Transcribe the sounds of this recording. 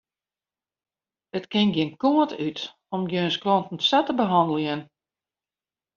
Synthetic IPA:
ətkɪnɡjɪnkoətyt | ɔmɡjøːnskrɔntn̩satəbəɦɔndəlˠiən

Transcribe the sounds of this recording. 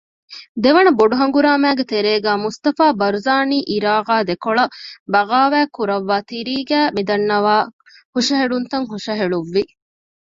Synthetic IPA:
d̪eʋɐnɐboɖuɦɐŋɡuɾaːmæːɡet̪eɾeːɡæːmust̪ɐfaːbɐɾuzaːniːʔiɾaːʁaːd̪ekoɭɐbɐɣaːʋæːkuɾɐʋːaːt̪iɾiːɡæːmid̪ɐnːɐʋaː | huʂɐɦeɭunt̪ɐŋɦuʂɐɦeɭuʋːi

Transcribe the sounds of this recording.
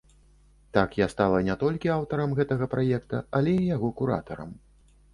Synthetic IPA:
t̪akjast̪alˠɐnʲɛt̪ɔlʲkʲiawt̪ɐɾɐmɣɛt̪ɐɣɐpɾʔajɛkt̪ɐ̰alʲɛijaɣɔkuɾa̰t̪ɐɾɐ̰m

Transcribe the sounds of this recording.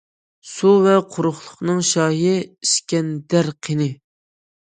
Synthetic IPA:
suvɛqʰʊɾʊχlˠʊχnɨŋʃɑːjɪiʃkʲɛnd̪æɾqʰenɪ

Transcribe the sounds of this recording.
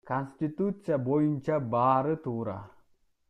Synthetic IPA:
kanst̪it̪ut͡sijabojint͡ʃabaːɾət̪uɾa̰

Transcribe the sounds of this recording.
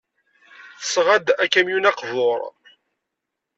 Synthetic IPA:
θə̥sʁæd̪ækːæmjunɑqvoɾˤ

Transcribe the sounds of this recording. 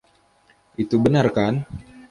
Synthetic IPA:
ʔit̪ubənarkan

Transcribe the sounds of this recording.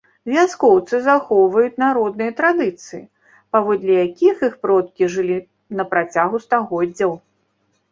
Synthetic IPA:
vʲaskɔwt̪sɨzaxɔwvɐjut͡sʲnaɾɔd̪̚nɨjɐt̪ɾad̪ɨt̪sɨjḭ | pavɔd̪lʲijakʲixixpɾɔt̪̚kʲiʐɨlʲi | nɐpɾat͡sʲaɣust̪aɣɔdd͡zʲːɐw

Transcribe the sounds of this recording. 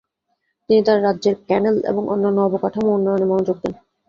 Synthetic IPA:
t̪init̪aɾɾadːʑeɾkɛnelḛboŋʔo̰nːanːoɔbokaʈʰamunːajonemɔnod͡ʑok̚d̪en

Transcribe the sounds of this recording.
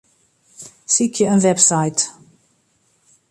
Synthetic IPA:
sikʰjəənvɛbsaɪt̪

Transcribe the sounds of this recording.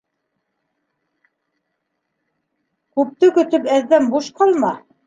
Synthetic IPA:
kʉp̚t̪ɘkɵ̆t̪ɵpæðːæmbuʃqɑlˠmɑ

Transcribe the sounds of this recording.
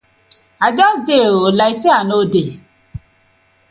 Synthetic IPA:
ad͡ʒɔsdeolaiseanode

